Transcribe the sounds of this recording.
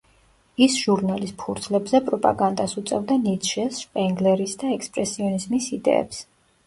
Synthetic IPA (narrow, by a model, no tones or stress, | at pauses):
isʒ̥uɾnalisʰuɾt̪ʰlɛbzɛpʼɾɔpʼa̰ɡand̪asut̪sʼɛvd̪anit̪ʃɛsʃpʼɛŋɡlɛɾisd̪aɛkspʼɾɛsiɔnizmisid̪ɛ̰ɛ̰ps